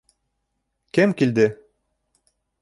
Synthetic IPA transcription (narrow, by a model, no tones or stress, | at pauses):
kɘmkild̪ɘ